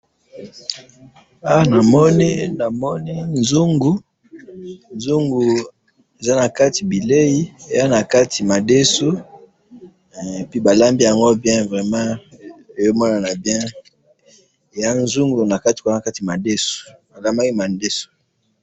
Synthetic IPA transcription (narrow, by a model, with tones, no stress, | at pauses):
a˦na˨mɔ˦ni˦na˨mɔ˦ni˦nzu˦ŋɡu˨ | nzu˦ŋɡu˨ | e˨za˦na˨ka˦ti˨bi˨le˦ji˦e˨ja˦na˨ka˦ti˨ma˨de˦su˦ | e˨pi˦ba˨la˦mbi˦ja˨ŋɡo˦bjɛ̃˦vʁɛ˨mã˦e˨jo˦mɔ˦na˨na˨bjɛ̃˦ | e˨ja˦nzu˦ŋɡu˨na˨ka˦ti̥˨ko˨˦˨a˨ka˦ti˨ma˨de˦su̥˨a˨la˦ma˦ki˦ma˨nde˦so̥˨